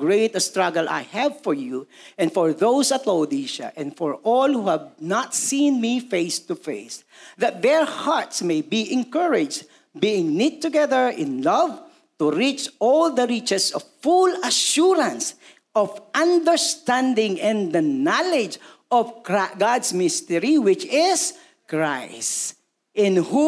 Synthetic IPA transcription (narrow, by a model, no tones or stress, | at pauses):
ɡɹeɪt̪ɐst̪ɹʌɡəlʔa̰jhævfɔɹju | ʔɛ̃nfɔɹðoʊsɐt̪loʊd̪iʃa̰ʔɛ̃nfɔɹʔɔlhuhævnat̪sĩnmifeɪst̪ufḛɪs | ðɐt̪̚ðɛɹhaɹt̪smejbiʔɛ̃nkəɹɪd͡ʒ | biɪ̃ŋnit̪̚ːʊɡɛðəɹʔɪ̰̃nlʌv | t̪uɹit͡ʃɔld̪əɹit͡ʃɛsɔv̥fulɐʃuɹãns | ɔvʔʌ̃nd̪ə˞st̪æ̃nd̪ɪ̃ŋɛ̃nd̪ənalɪd͡ʒ | ʔɔvɡɑdsmɪst̪ɛɹiwɪt͡ʃɪs | kɹaɪs | ɪ̃nhu